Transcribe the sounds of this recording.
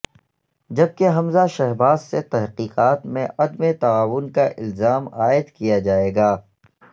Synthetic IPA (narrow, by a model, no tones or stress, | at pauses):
d͡ʒɐb̚keɦɐmzaʃɛɦbaːzset̪ɛɦqiːqaːt̪mẽʔɐd̪met̪aaːʋʊnkaʔɪ̰lzaːmaːɪd̪kijad͡ʒaːeːɡaː